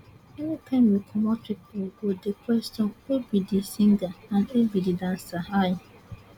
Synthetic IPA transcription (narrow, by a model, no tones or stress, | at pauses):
ɛnipʰãnmikʰɔmɔtikwiɡodekwɛstɔ̃nwebidisĩŋɡaãnebididãnsahaj